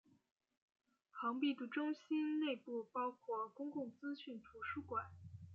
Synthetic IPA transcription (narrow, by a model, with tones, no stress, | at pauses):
xɑ˧˥ŋpi˥˩t̪u˧˥ʈ͡ʂʊ˥ŋɕi˥nne˥˧ɪpu˥˩pɑ˥ʊkʰwɔ˥˩kʊ˥ŋkʊ˥˩ŋt͡sɹ̩˥ɕy˥˩nt̪ʰu˧˥ʂu˥˩kwa˨˩˦n